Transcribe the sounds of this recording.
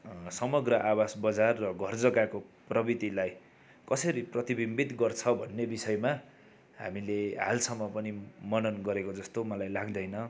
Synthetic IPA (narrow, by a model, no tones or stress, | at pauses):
sʌmʌɡrʌʔabasbʌd͡zarːʌɡʱʌrd͡zʌɡakoprʌbit̪ilaj | kʌsʌɾiprʌt̪ibimbit̪ɡʌrt͡sʰʌbʱʌnːebisʌjma | ɦa̰mileɦa̰lsʌmːʌpʌnimʌnʌnɡʌɾekod͡zʌst̪omʌlajlaɡd̪ʌjnʌ